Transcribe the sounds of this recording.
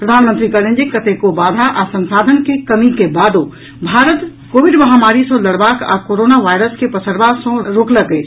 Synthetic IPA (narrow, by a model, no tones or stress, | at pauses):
pɾəd̪ʱaːnmənt̪ɾikəɾẽnd͡ʒikət̪ekobaːd̪ʱaʔasə̃nsaːd̪ʱənkekəmikebaːd̪o | bʱaːɾət̪ | koːʋɪɖməɦamaːɾisõləɽbaːka̰koɾoːnaʋaːjɾəskepəsəɾbasõɾoːkləkə